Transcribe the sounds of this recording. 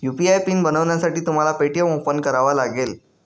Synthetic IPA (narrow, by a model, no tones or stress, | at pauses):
jupiajpinbənəʋɳjasaʈiːt̪um̤alapeʈijəmopːənkəɾaʋalaɡel